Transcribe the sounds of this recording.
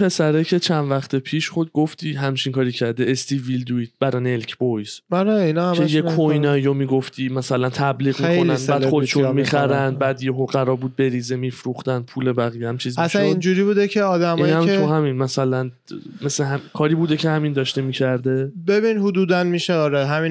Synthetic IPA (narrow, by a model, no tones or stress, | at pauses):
pʰe̞sæɾecʰe̞t͡ʃʰænvæχt̪ʰe̞pʰiːʃχod̪ɡoft̪ʰiːɦæmt͡ʃʰinkɒːɾiːcʰæɾd̪eest̪ivild̪uiːt̪̚ʰb̥æɾɒnelcʰbojz̥aɾeinɒhæejekʰojnɒːijomiːɡo̞ft̪ʰiːmæsælænt̪ʰæbliːɣmːkonænæːd̪χod̪eʃunmiχæɾænd̪bæːd̪jeɦoʁæɾɒːbuːd̪̚be̞ɾiːzemifɾuχt̪ænpʰuːle̞bæɣijehæmt͡ʃʰiːzæsʃænind͡ʒuɾibuːd̪ecʰeɒːd̪æmiɒːnæmt̪ʰuhæminmæsælæn | mesleɦæmkʰɒːɾiːbuːd̪ecʰehæmind̪ɒːʃt̪emiːcʰæɾd̪e̞be̞binhud̪uːd̪ænmiːʃeɒːɾeɦæmi